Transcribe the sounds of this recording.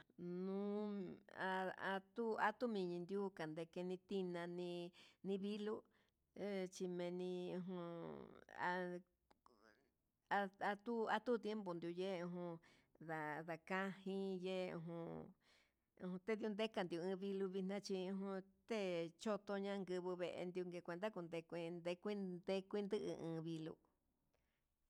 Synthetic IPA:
nũ˦a˧a˧t̪u˦a˧t̪u˦mĩ˧˨ɲĩ˧nd̪ju˦ka˨nd̪e˧ke˧nĩ˧t̪i˦nã˧nĩ˧nĩ˧βi˦lu˦ | t͡ʃi˧mẽ˧nĩ˧ũ˧ɦũ˧ | a˧ | a˧a˧t̪u˦a˧t̪u˦t̪je˦mbo˨nd̪ju˧je˦˧ũ˧ɦũ˧ | ða˨ða˨kã˦hĩ˦je˦ṵ̃˧ɦũ˧ | ṵ̃˧ũ˧t̪e˦ðu˧nd̪e˦ka˧nd̪i˧u˧ɨ̃ː˧βi˧lu˧βi˧nã˦t͡ʃi˧ũ˧ɦũ˧t̪e˦˨t͡ʃo˦t̪o˧ɲã˦˧ŋɡɨ˧βɨ˧βe˧ʔḛ˧nd̪ju˧ŋɡe˧kʷe˧nd̪a˦ku˧nd̪e˧kʷi˧nd̪e˧kʷi˦d̪e˦kʷi˦nd̪ɨ˦ʔɨ̰˧ʔɨ̃ː˧βi˧lṵ˧

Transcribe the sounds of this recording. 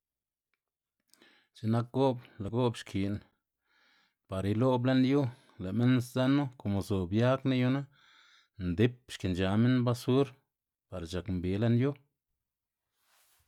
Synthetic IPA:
t͡ʃe˨na˦k̚ɡo˦bla˨ɡo˦bʃkʰi˨n | pa˨ɾi˧lo˦ble˦nju˦ | le˨me˦nsza˦nːu˦ko˨mo˨zo˨bja˦kna˦ju˧˦na˦ | nd̪i˦p̚ʃki˨nd͡ʒa˨me˦nba˦su˦ɾ | pa˨ɾt͡ʃa˨kmbi˨˦le˦nju˦

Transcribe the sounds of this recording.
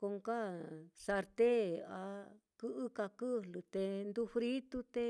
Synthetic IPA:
ko˧ŋka˦sa˧ɾt̪e˦a˧kɨ˦ʔɨ˦ka˧kɨ˦lɨ˨t̪e˧nd̪u˧fɾi˦t̪u˦t̪e˧˦

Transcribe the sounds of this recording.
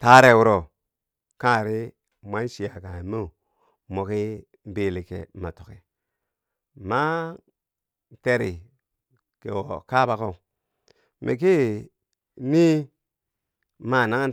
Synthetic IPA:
ta˦ɾe˦˨wu˦ɾo˨ | kã˦˨ɾi˦ | mʷa˦n˦ʃi˨ja˨ka˨mo˦˨ | mo˨ki˦ | bi˨li˨kḛ˨ma˨to˨ke˨ | ma˦ | te˦ɾi˨ | kḛ˨wo˨ka˦ba˨ko˦˨ | mʔḭ˨k̬i˦ | ni˦ | ma˨na˦ŋ˦

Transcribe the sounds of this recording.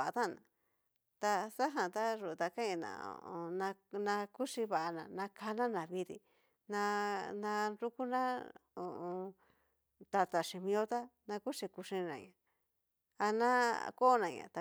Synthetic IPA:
t̪a˦˨nã̰˨ | t̪a˧sa˦ɦã˨t̪a˦ʐu˧˨t̪a˧ka˦ɲã˧˨nã̰˨o̰˨o˧nã˧nã˧ku˦ʂi˧βa˨ʔa˧nã˨nã˧kʰa˧nã˦nã˨βi˧ɾḭ˧ | nã˧nã˧ɾu˦ku˦nã˦o˨õ˧ | t̪a˧t̪a˨ʂi˧mĩ˧o˦t̪a˦nã˧ku˦ʂi˧ku˧ʂĩ˧nã̰˨ɲã˨ | a˧nã˦ko˦nã˨ɲã̰˨t̪a˧

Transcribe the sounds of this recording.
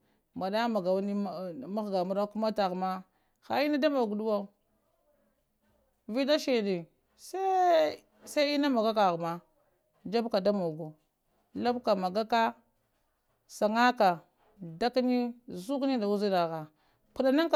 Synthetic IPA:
ma˨da˦ma˨ɡa˨wni˦˨ma˦ɣɡa˨mu˦ɾa˦ku˦ma˦ta˨ɣma˦ | xa˨i˦na˦da˦ma˨ɡu˨du˦wa˦˨ | vi˦da˦ʃi˨di˨ | se˦ | sa˦i˦na˦ma˨ɡa˦ka˨ɣma˦ | d͡ʒa˦bka˨da˦ma˨ɡu˨ | la˦bka˨ma˨ɡa˦ka˦ | sa˨ŋa˦ka˨ | da˦kni˦zu˦kni˦da˨wu˦zi˦na˨ɣa˨ | pu˨ɗa˨na˦ŋk

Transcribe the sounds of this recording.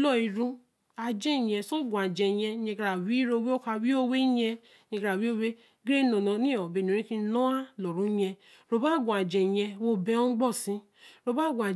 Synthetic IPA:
lɔ˦˨i˧ɾũ˧ | a˧d͡ʒɛ̃˦˨jɛ̃˧so˦˨ɡʷa˨d͡ʒɛ˨jɛ̃˧˦ɛ̃˧kɾa˨wi˨˦ɾo˧we˦o˦ka˧wi˦o˦we˦jɛ˧ | ɲẽ˧kɾa˨wi˦o˦we˦ | ɡɾe˦nõ˨nɔ̃˧nĩ˦˨ɔ˨be˨o˨ɾĩ˦kĩ˧˦nɔ̃˦a˦lɔ˨ɾũ˨˦jɛ̃˧ | ɾo˧ba˦˨ɡʷũ˨a˨d͡ʒɛ˨jɛ̃˧wo˧bɛ˧ɔ̃˦ɡ͡bɔ˦˨sĩ˨˦ | ɾo˧ba˦˨ɡʷa˨

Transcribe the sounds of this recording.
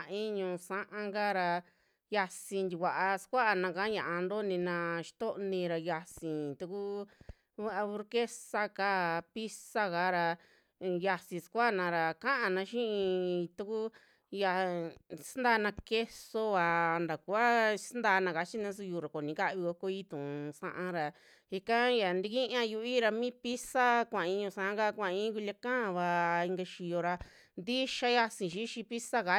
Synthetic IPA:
a˨ĩ˦ɲũ˧sã˦ʔã˧ŋɡa˦ɾa˧ | ja˧sĩ˧nd̪ʲi˧kʷa˨ʔa˧skʷa˦ʔa˧nã˧kã˧˦ɲã̰˨ʔa˧nd̪o˦nĩ˧nã˧ʃi̥˧t̪o˦ʔnĩ˧ɾa˧ja˧sĩ˨t̪u˧ku˦ | βa˦ʔa˧βu˧ɾke˦sa˧ka˦˨pi˦sa˦ka˧˦ɾa˧ | ja˧sĩ˧skʷa˦˨nã˨˧ɾa˨kã˦ʔã˧nã˧˦ʃĩ˦ʔĩ˧t̪u˧ku˦ | ja˧sa˦nd̪aː˧nã˧ke˦so˧βa˨nd̪a˨ku˧˦a˦snd̪aː˧nã˧ka˧t͡ʃi˦nã˧˦s̬u˧juː˧˨ɾa˨ko˨nĩ˨˦ka˦ʔβi˧ko˧ko˧i˦t̪ũ˨sã̰˧ʔã˧ɾa˨ | i˧kã˦ja˨nd̪i˧kĩ˦ʔã˧ju˧˦i˦ɾa˧mĩː˦pi˦sa˦kʷã˨˧ĩ˧ɲũ˧sã˧ʔka˦kʷã˨˧ĩ˦ku˧lʲa˧kã˦a˧βa˧i˧ŋɡa˧ʃi˨jo˧ɾa˧ | nd̪i˦ʃa˧ja˧sĩ˨ʃi˦ʃĩ˧pi˦sa˦ɣa˧

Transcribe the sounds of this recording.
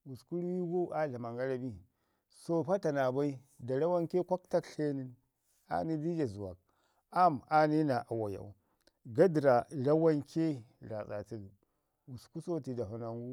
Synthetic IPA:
wu˨sku˦ɾwi˦ɡo˦ʔa˦ɮa˨ma˨ŋɡa˦la˨bi˦ | so˦ɸa˦ta˨na˨ba˦i˦ | da˨la˦wa˦nke˦kʷa˦kta˦kɬe˦ni˦n | a̰˨ni˦di˦d͡ʒa˨zu˨wa̰˨k̚ | a˦ma˨ni˦na˨ʔa˨wa˨ja̰˨ṵ˨˦ | ɡa˦di˨ɾa˨la˦wa˦nkʰe˦la˨sa̰˨ti˦ɡ | wu˨sku˦so˦ti˨da˨ɦu˨na˨ŋɡu˦

